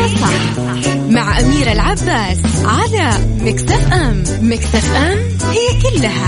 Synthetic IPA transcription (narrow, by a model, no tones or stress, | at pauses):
sˤɑħ | maʕʔamiːɾɪlʕabːaːs | ʕalamɪkt̪afʔam | mɪkt̪afʔam | hɪjːkʊlːaha